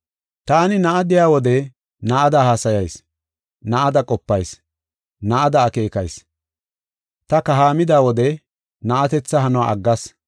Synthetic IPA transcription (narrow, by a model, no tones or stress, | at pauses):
t̪aːnɪnɐʔɐd̪ɪjaːwɔd̪ɛ | nɐʔɐd̪ɐhaːsɐjɐjs | nɐʔɐd̪ɐkʼɔpːɐjs | nɐʔɐd̪ɐːke̞ːkɐjs | t̪ɐkɐɦaːmɪd̪aːwɔd̪ɛ | nɐʔɐt̪ɛt͡sːɐɦɐnɔwa̰ːɐɡːɐs